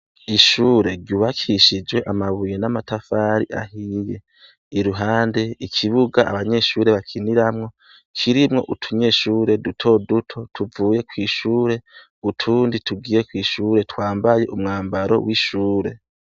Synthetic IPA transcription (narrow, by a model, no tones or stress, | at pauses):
iʃuːɾe̞ɾɟuβakʰiʃid͡ʒwe̞ʔamaβujenamatafaɾḭʔa̰hije̞ | iɾuɦaːnde̞ikʰiβuɡaa̰βaɲe̞ʃuːɾe̞βakʰiniɾamŋo̞ | kʰiɾimŋo̞̰ʔutʰuɲe̞ʃuːɾe̞dutʰo̞dutʰo̞tʰuvuːje̞kwiːʃuːɾe̞ | utʰuːnditʰuɡiːje̞kwiːʃuːɾe̞twaːmbaje̞ʔumŋaːmbaɾo̞̰wʔiʃuːɾe̞̰